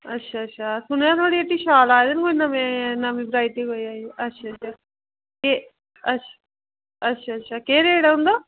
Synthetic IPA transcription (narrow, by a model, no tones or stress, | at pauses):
ətːʃʰaːətːʃʰaːsʊnjãːt̪ʰoːɽieʈːiːʃaːlaːd̪ɪnkonəmẽnəmĩːbɾaːɪʈiɦoːiaːiʔətːʃʰatt͡ʃʰaː | ke | ətʃʰa | ətːʃʰaːətːʃʰaːkeːɾeːɽaɦʊ̃nd̪oː